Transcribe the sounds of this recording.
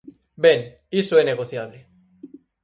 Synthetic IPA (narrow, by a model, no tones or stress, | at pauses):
ben | isoeneɣ̞oθjaβle